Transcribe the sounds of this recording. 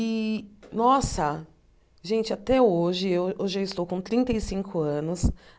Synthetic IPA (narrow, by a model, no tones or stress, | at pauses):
ɪnɔsɐ | ʒẽnt͡ʃɪat̪ɛoʒɪewewʒaɪst̪owkõt̪ɾĩnt̪ejsĩŋkʊɐ̃nʊs